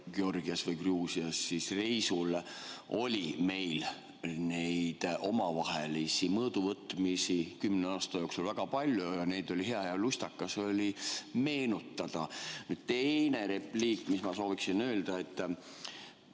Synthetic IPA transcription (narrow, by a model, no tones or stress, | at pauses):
ɡeo̞rɡ̥iɑsvɯjɡ̥ruːsiɑsːisrejsulo̞̰lʲime̞jl | nejd̪̥ʔo̞mɑvɑɦelisimɤːd̪̥uvɤt̪ːˑmisikymːneɑːst̪ɑjo̞ksulvæɡ̥ɑpɑlʲjojɑne̞jd̪̥o̞lʲiɦe̞ɑjɑlust̪ɑkːɑso̞lʲime̞ːnut̪ːɑd̪̥ɑnyːd̪̥̚t̪e̞jne̞ɾe̞pliːkːˑmismɑso̞ːviksinø̞ːld̪ɑe̞t̪ːˑ